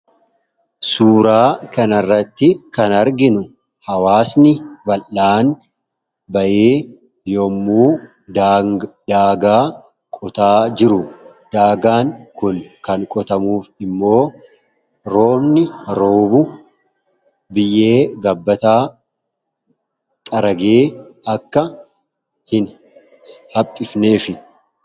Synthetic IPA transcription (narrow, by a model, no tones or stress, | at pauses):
suːɾaːkɐnɐrːɐt̪ːɪkɐnɐɾɡɪnʊ | hɐwaːsnɪbɐlːaːn | bɐʔeː | jomːuː | d̪aːɡaː | kʼɔt̪aːd͡ʒɪɾʊd̪̥aːɡaːŋkʊnkɐŋkʼɔt̪ɐmuːfɪmːo̞ː | ɾo̞ːbnɪɾo̞ːbʊ | bɪjːe̞ːɡɐbːɐt̪aː | t̪ʼɐɾɐɡeːɐkːɐ | hɪn | hɐpʼːɪfne̞ːfɪ